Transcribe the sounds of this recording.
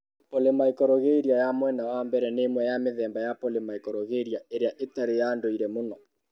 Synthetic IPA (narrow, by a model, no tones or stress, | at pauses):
polemaikɔɾɔɣeiɾiajamwɛnawambɛɾɛnemwɛjameðɛːmbajapolemaikɔɾɔɣeɾiaeɾeaʔetaɾejaːndoiɾɛmonɔ